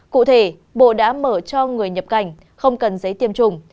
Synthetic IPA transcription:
kṵ˧˨t̪ʰe˧˩ | ɓo̰˧˨ɗa̰ː˧˥məː˧˩t͡ɕɔ˧ŋɨ˨˩əjɲə˨˩p̚ka˧˩jŋ̟ | xə˧wŋ͡mkə˨˩nzə˨˦jt̪i˧˩əmt͡ɕʊ˨˩ŋ͡m

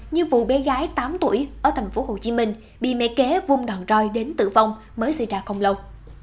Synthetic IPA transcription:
ɲɨ˧vṵ˧˨ɓɛ˨˦ɣaː˨˦jt̪aː˨˦mt̪ṵ˧˩əjʔəː˧˩t̪ʰa˨˩jŋ̟fo˨˦ɦo˨˩t͡ɕi˨˦mï˧ŋ̟ | ɓḭ˧˨mɛ̰˧˥kɛ˨˦vʊ˧ŋ͡mɗəː˨˩wt͡ɕɔ˧jɗe˨˦nt̪ɨ̰˧˨va˧wŋ͡m | məː˨˦jsə˧jt͡ɕaː˧˩xə˧wŋ͡mlə˧w

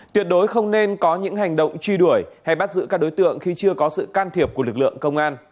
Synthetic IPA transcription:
t̪wi˨˩ət̚ɗo˨˦jxə˧wŋ͡mne˧nkɔ˨˦ɲɨ̰˧˥ŋha˨˩jŋ̟ɗə̰˧˨wŋ͡mt͡ɕwi˧ɗu˧˩əjha˧jɓa˦˥t̚zɨ̰˧˨kaː˦˥k̚ɗo˨˦jt̪ɨ̰˧˨əŋxi˧t͡ɕɨ˧əkɔ˨˦sɨ̰˧˨kaː˧nt̪ʰi˨˩əp̚ku˧˩lɨ˨˩k̚lɨ̰˧˨əŋkə˧wŋ͡mʔaː˧n

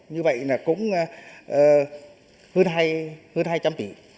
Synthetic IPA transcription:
ɲɨ˧və̰˧˨jnaː˨˩kʊ̰˧˥ŋ͡mʔəː˨˩ | həː˧nɦaː˧jhəː˧ənhaː˧jt͡ɕa˧mt̪ḭ˧˩˨

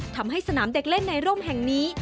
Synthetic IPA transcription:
t̪ʰa˧mɦa˥˩jsa˧naː˩˦mde˨˩k̚le˥˩nːa˧jɾoː˥˩mɦɛ˨˩ŋniː˦˥

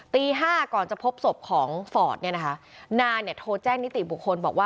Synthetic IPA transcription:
t̪iː˧ɦaː˥˩kɔː˨˩nt͡ɕa˨˩pʰo˦˥p̚so˨˩p̚kʰɔː˩˦ŋfɔː˨˩t̪̚ni˥˩ɐna˦˥kʰa˦˥naː˧ni˨˩ɐt̪ʰoː˧t͡ɕɛː˥˩ŋni˦˥t̪ḭ˨˩bu˨˩kʰːo˧nbɔ̰ː˨˩k̚waː˥˩

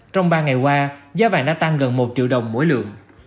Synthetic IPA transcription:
t͡ɕɔ˧wŋ͡mɓaː˧ŋa˨˩jkwaː˧zaː˨˦ɓa̰ː˧˨nɗa̰ː˧˥t̪a˧ŋɣə˨˩nmo˨˩t̚t͡ɕḭ˧˨wɗə˨˩wŋ͡mmṵ˧˥əjlɨ̰˧˨əŋ

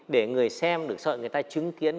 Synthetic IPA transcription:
ɗe˧˩ŋɨ˨˩əjsɛ˧mɗɨ˨˩ək̚sɔ̰˧˨jŋɨ˨˩əjt̪aː˧t͡ɕɨ˨˦ŋki˨˦ən

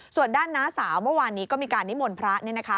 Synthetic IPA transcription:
su˨˩əndaː˥˩nːaː˦˥saː˩˦wmɯ˥˩ɐwaː˧nːiː˦˥kɔː˥˩miː˧kaː˧nːi˦˥moː˧npʰɾa˦˥ʔni˥˩na˦kʰa˦˥

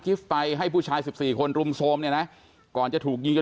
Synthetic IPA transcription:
kʰi˦˥fːa˧jɦa˥˩jpʰuː˥˩t͡ɕʰaː˧jsi˨˩p̚siː˨˩kʰo˧nɾu˧msʰoː˧mni˥˩na˦˥ | kɔː˨˩nt͡ɕa˨˩t̪ʰuː˨˩k̚ji˧ŋt͡ɕo˧

